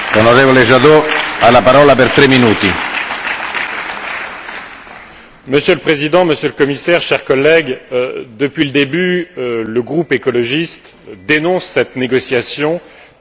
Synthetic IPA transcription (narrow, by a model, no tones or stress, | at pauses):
lonoɾevoleʒaðoalapaɾɔlapɛɾt̪ɾɛmːinuːt̪i | məsjøləpχezid̪ɑ̃məsjøləkɔmisɛʁʃɛʁkɔlːɛɡd̪əpɥiləd̪ebyləɡʁupekɔlɔʒist̪ | d̪enɔ̃sːɛt̪neɡɔsjasjɔ̃